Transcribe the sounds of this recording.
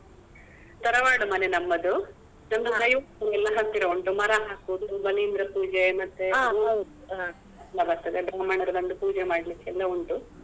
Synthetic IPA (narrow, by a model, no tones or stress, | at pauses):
t̪ɐɾɐʋaːɽumɐnenɐmːɐd̪u | nɐnd̪uɡɐjuɾɛlːɐɦat̪ːiɾɐoɳʈumɐɾaɦaːkuːd̪ubɐlijind̪ɾɐpuːd͡ʒemɐt̪ːe | a | ɛlːɐbɐɾt̪ɐd̪ebɾɐmɐɳɐɾɐbɐnd̪upuːd͡ʒemaːɽlikːɛlːɐuɳʈu